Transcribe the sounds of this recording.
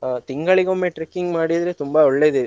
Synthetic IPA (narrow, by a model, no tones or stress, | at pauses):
t̪ɪŋɡɐɭɪɣomːeʈɾɛkːɪŋɡmaːɽɪɐðɯlet̪ʊmbaɔɭːeðɯ